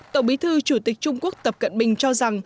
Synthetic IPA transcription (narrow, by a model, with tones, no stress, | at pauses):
t̪ə˧˩wɓi˨˦t̪ʰɨ˧t͡ɕu˧˩t̪ï˨˩k̟̚t͡ɕʊ˧ŋ͡mku˦˥ək̚t̪ə˨˩p̚kə̰˧˨nɓï˨˩ŋ̟t͡ɕɔ˧za˨˩ŋ